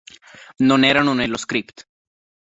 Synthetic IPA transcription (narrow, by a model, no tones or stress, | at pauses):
nõneɾanuneloskɾipt̪